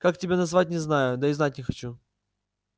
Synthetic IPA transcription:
kaktʲɪbʲanɐzvat̚ʲnʲɪznajʊd̪aɪznat̚ʲnʲɪxɐt͡ɕu

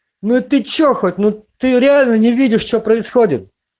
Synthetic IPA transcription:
nuit̪ɨt͡ɕːoxot̚ʲnut̪ɨɾʲɪalʲnənʲɪvʲidʲɪʂt͡ɕopɾəɪsxodʲɪt̪̚

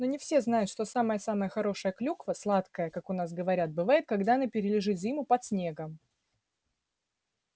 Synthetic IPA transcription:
nonʲɪfsʲe̞znajʊt̪ʂt̪osaməjəsaməjəxɐɾo̞ʂəjəklʲukvəslˠat̪kəjəkakʊnas̬ɡəvɐɾʲat̪̚bɨvajɪt̪̚kɐɡd̪aɐnapʲɪɾʲɪlʲɪʐɨt̪zʲimʊpɐt̪sʲnʲe̞ɡəm

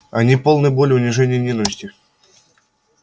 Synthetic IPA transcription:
ɐnʲipo̞lˠnəjbolʲʊnʲɪʐɛnʲɪjnʲinəvəsʲtʲɪ

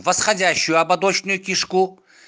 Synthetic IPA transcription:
vəsχɐdʲæɕːʊjʊɐbɐd̪ot͡ɕnʊjʊkʲɪʂku

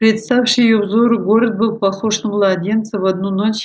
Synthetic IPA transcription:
pɾʲet̪st̪afʲʂijubzoɾɨɡoɾət̪̚bɨlˠpɐχoʂnɨmlˠɐdʲent̪sɨvɐd̪nunot͡ɕʲ

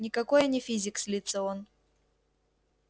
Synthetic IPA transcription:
nʲɪkɐkojənʲɪfʲizʲɪksʲlʲit̪səon

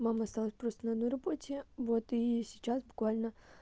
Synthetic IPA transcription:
maməɐst̪alˠəsʲpɾo̞st̪ənɐd̪no̞jrɐbo̞tʲɪvo̞t̪isʲɪt͡ɕasbʊkvalʲnə

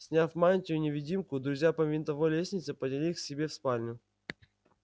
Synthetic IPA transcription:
sʲnʲafmanʲnʲtʲɪjʊnʲɪvʲɪdʲimkʊd̪ɾʊzʲjapəvʲɪnt̪ɐvojlʲesʲnʲɪt̪səpədʲɪlʲixsʲɪbʲefspalʲnʲʊ

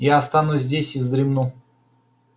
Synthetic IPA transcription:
jaɐst̪anuzʲzʲdʲesʲɪvzd̪ɾʲɪmnu

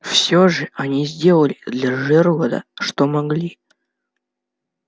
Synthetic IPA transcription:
fsʲoʐɨɐnʲizʲdʲe̞lˠəlʲɪd̪lʲaʐɛrlˠəd̪ə̰ʂt̪omɐɡlʲi

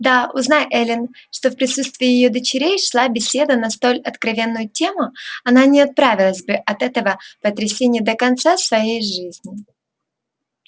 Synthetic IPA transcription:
d̪aʊznajʔɛlʲɪnʂt̪ofpɾʲɪsut̪st̪vʲɪːɪjɪjo̞d̪ət͡ɕɪɾʲejʂlˠabʲɪsʲe̞d̪ənɐst̪o̞lʲɐt̪kɾɐvʲe̞nːʊjʊtʲe̞mʊɐnanʲɪɐt̪̚pɾavʲɪlˠəsʲbɨʔɐt̪ɛt̪əvəpət̪ɾʲɪsʲenʲɪjəd̪əkɐnt̪sasvɐjejʐɨzʲnʲɪ

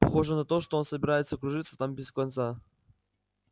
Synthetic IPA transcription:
pɐxo̞ʐɨnɐt̪o̞ʂt̪oonsəbʲɪɾajɪt̪səkɾʊʐɨt̪sːə̥t̪ambʲɪskɐnt̪sa

